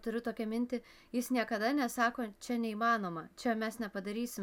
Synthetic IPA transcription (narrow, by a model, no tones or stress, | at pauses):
t̪ʊɾʲʊt̪oːkʲɛmʲɪnʲt̪ʲɪ | jɪsnʲiɛkɐd̪ɐnʲɛsɑːkoːt͡ʃʲɛnʲɛiːmɑːnoːmɐt͡ʃʲɛmʲɛsnʲɛpɐd̪ɐɾʲiːsʲɪm